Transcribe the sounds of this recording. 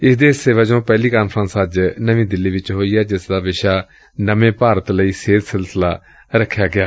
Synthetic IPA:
ɪsd̪eːseːʋaːd͡ʒõːpɛːliːkaːnpʰɾə̃nsəd͡ʒnəʋĩːd̪ɪlːiːʋɪt͡ʃɦoːiːɛːd͡ʒɪsd̪aːʋɪʃaː | nəmẽːpaːɾət̪ləiːseːt̪sɪlsɪlaː | ɾəkʰːjaːɡɪjaː

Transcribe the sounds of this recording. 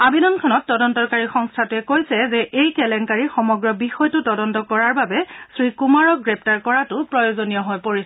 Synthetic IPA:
abidɔnkʰɔnɔtːɔdɔntɔkaɹixɔŋstʰatʊɛkojsɛzɛʔejkɛlɛnkaɹixɔmɔɡɹɔbixɔjtʊtɔdɔntɔkɔɹaɹbabɛsɹikumaɹɔk̚ɡɹɛp̚taɹkɔɹatʊpɹɔjozonijɔɦojpoɹis

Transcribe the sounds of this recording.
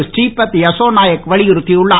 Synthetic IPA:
sʈiːpɐt̪ːjɐsoːnaːjɐkːʋɐɭɪjɪɾɯt̪ːiʊɭːa

